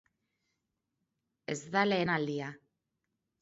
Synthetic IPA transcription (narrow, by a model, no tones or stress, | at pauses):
e̞zðale̞ːnald̪ia